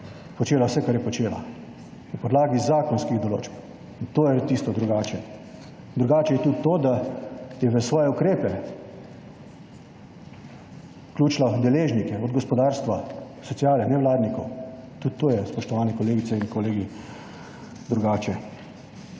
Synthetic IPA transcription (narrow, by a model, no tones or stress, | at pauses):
pɔt͡ʃeːlawsɛkaɾjɛpɔt͡ʃeːla̰ | nɐpɔd̪laːɡizaːkɔnskiɣd̪ɔlo̰ːt͡ʃp | nt̪oːjɛt̪ist̪ɔd̪ɾuɡaːt͡ʃɛ | d̪ɾuɡaːt͡ʃɛjɛt̪ut̪t̪oːd̪ajɛʋəsʋɔːjɛukɾeːpɛ | klʲuːt͡ʃlad̪ɛleːʒnikɛɔd̪ɡɔspɔd̪aːɾst̪ʋa | sɔsijaːlɛnɛʋlaːd̪nikɔ̰wt̪ut̪t̪ːoːjɛspɔʃt̪ɔʋaːnɛkɔleːɡit̪sɛinkɔleːɡi | d̪ɾuɡaːt͡ʃɛ